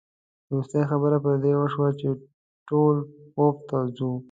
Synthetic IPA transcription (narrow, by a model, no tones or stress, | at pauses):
ɾust̪ajaxabəɾapəɾd̪ewəʃwat͡ʃe | ʈolxoft̪azu